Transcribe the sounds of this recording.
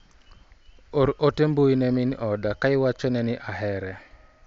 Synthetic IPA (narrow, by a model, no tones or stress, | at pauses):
oɾotemboinɛminʔɔdakaɪwat͡ʃɔnɛnɪʔaɦɛɾɛ